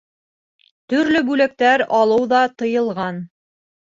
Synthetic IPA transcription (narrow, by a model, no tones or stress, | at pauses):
t̪ɵ̆ɾlɵbʉlæk̚t̪æɾɑlˠɤwðɑt̪ɤ̆jɤ̆lˠʁɑn